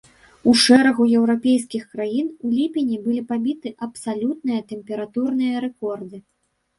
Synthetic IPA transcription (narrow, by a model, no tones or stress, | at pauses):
uʂɛɾɐɣujɛwɾapʲejskʲixkɾajinulʲipʲinʲibɨlʲipabʲit̪ɨʔɐpsalʲut̪̚nɨjɐt̪ɛmʲpʲɛɾat̪urnɨjɐɾɛkɔrd̪ɨ